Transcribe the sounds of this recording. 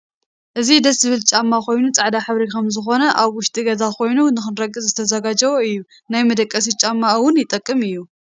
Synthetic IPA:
ʔɨzid̪ɐs̬zɨβɨlt͡ʃʼamːakʰo̞jnut͡sʼaʕd̪aħɨβɾikʰɐmzɨxo̞nɐʔaβwʊʃt̪ʼiɡɐzakʰo̞jnunɨxɨnɾɐɡʼːɨzzɨt̪ʰɐzɐɡad͡ʒɐwoɨjːu | najmɐd̪ɐkʼːɐs̬it͡ʃʼamːawʊnjɪt̪ʼɐkʼːɨmɨjːu

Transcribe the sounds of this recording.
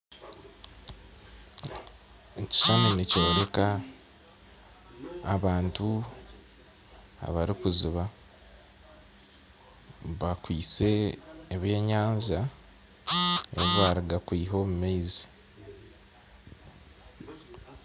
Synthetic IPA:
eci̥ʃamunico̞ːɾe̞ka | βaːntu | a̰βaɾikuziβa | βakwiːt͡se̞ːβje̞ːɲaːɲza | eβiβaɾiɡakwiːɦo̞ːmumeizi

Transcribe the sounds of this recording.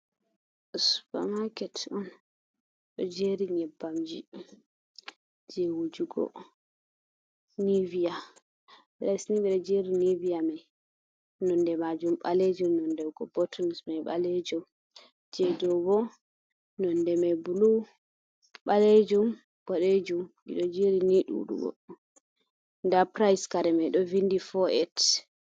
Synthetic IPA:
su̥pa̰makɛtɔn | ɗɔd͡ʒeɾiɲɛbːamd͡ʒḭ | d͡ʒewud͡ʒuɡɔ̰ | nivija | ɓlasniɓiɗɔd͡ʒeɾinivijamɛj | nɔndɛmad͡ʒumɓaled͡ʒumnɔndɛwɡɔbɔtʰɔnsmajɓa̰led͡ʒum | d͡ʒɛdɔbɔ | nɔndɛmɛbulu | ɓaled͡ʒum | ɡ̥ɔɗed͡ʒumʔḭɗɔd͡ʒeɾiniɗuṵɗṵɡɔ̰ | ndapɾajskaɾɛmɛjɗɔvindifɔʔɛt

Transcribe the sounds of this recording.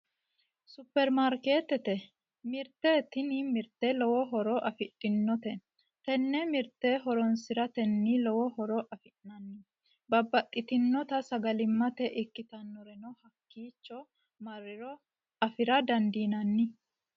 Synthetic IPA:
sʊpːɛɾmaɾke̞ːt̪ɛt̪ɛ | mɪɾt̪ːeːt̪ːɪnimɪɾt̪ːɛlɔwɔɦɔɾɔʔɐfɪt̪ʼːɪnːɔt̪ɛ | t̪ɛnːɛmɪɾt̪ːeɦɔɾɔnsɪɾɐt̪ɛnːilɔwɔhɔɾɔʔɐfɪʔnɐnːɪ | bɐbːɐt̪ʼːɪt̪ɪnːɔt̪ɐsɐɡɐlɪmːɐt̪ɛʔɪkːɪt̪ɐnːɔɾɛnɔhɐkːiːt͡ʃːɔ | mɐrːɪɾɔ | ɐfɪɾɐd̪ɐnd̪iːnɐnːɪ

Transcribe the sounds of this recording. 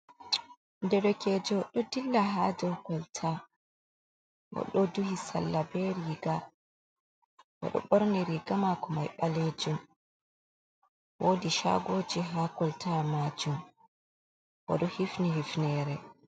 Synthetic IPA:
ndɛɗɔkɛd͡ʒɔɗɔdilːaɦad͡ʒɔwkɔltʰa | wʔɔ̰ɗɔduhisa̰lːabɛɾiɡa | wɛ̰ɗɔ̰ɓɔɾniɾiːɡamakɔmajɓaled͡ʒum | woːdiʃa̰ɡoːd͡ʒiɦaːkɔltʰamad͡ʒum | ʔɔ̰ɗɔhifnihifnɛɾɛ

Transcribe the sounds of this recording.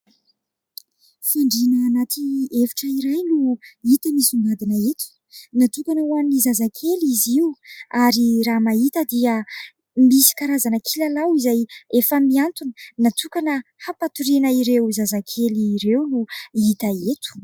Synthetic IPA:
faɳɖ͡ʐinaːnat̪iefi̥ʈ͡ʂəiɾajluit̪əmisuŋɡad̪inəet̪u̥ | nat̪ipanawamnizazakʰeliziuaɾiramait̪əd̪iə | misi̥kaɾazanəkʰilalawizajefəmiant̪unə̥nat̪ukanəhapat̪uɾinəiɾewzazakʰeliːɾewluit̪aet̪u̥

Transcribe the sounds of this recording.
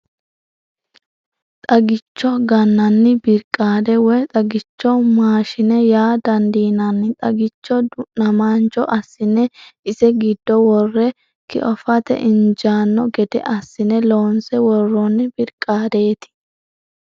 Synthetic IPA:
t̪ʼɐɡɪt͡ʃːɔɡɐnːɐnːɪbɪɾkʼːaːd̪ɛwɛt̪ʼɐɡɪt͡ʃːɔmaːʃɪnɛjaːd̪ɐnd̪iːnɐnːɪt̪ʼɐɡɪt͡ʃːɔd̪ʊnɐmaːnt͡ʃɔʔɐsːɪnɛɪsɛɡɪd̪ːɔwɔrːɛ | kɪ̰ʔɔfɐt̪ɛ̰ʔɪnd͡ʒaːnːɔɡɛd̪ɛ̰ʔɐsːɪnɛloːnsɛwɔrːɔnːɪbɪɾkʼːaːd̪eːt̪ɪ̥

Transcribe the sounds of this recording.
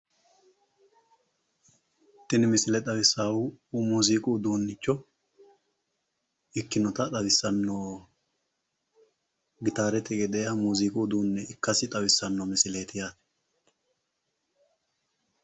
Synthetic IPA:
t̪ːɪnɪmɪsɪlɛt̪ʼɐwɪsːaːwumuːziːkʼuːd̪uːnːɪt͡ʃːɔ | ɪkːɪnɔt̪ɐt̪ʼɐbɪsːɐnːɔ | ɡɪt̪aːɾɛt̪ɛɡɛd̪ɛjɐmuːziːkʼuːd̪uːnːɛɪkːɐsɪt̪ʼɐwɪsːɐnːɔmɪsɪleːt̪ɪjaːt̪ɛ̥

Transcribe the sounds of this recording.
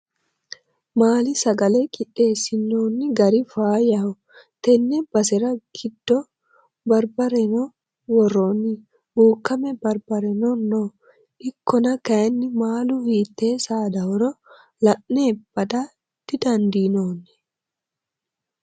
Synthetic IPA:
maːlɪsɐɡɐlɛkʼɪtːe̞ːsɪnːoːnːɪɡɐɾɪfaːjɐhɔ | t̪ɛnːɛbɐsɛɾɐɡɪd̪̥ːɔ | bɐɾbɐɾɛnɔ | wɔrːoːnːɪ | buːkːɐmɛbɐɾbɐɾɛnɔnːoː | ʔɪkʰːɔnɐkɐjɐnːɪmaːlʊhiːt̪ːe̞ːsaːd̪ɐwɔɾɔ | lɐʔneːb̥ɐd̪ɐ | d̪̥ɪd̪ɐnd̪iːnoːnːɛ̥

